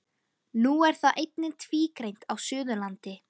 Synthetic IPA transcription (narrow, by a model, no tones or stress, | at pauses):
nuɛɾ̥θaðʔejt̪̚nɪnt̪ʰviːkɾejnt̪awsʏːðʏlant̪ɪ